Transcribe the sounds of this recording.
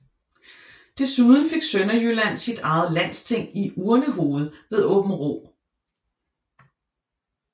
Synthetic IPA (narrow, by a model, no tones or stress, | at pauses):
d̥e̝suðˠn̩fe̝ɡ̥sønɐjylæn̰sid̥ɑ̈ɪð̩ˠlæn̰st͡sʰe̝ŋ̰iʔuːɐnəɦo̝ːð̞̩ˠʋe̝ðˠɔ̽ːb̥n̩ʁo̰ː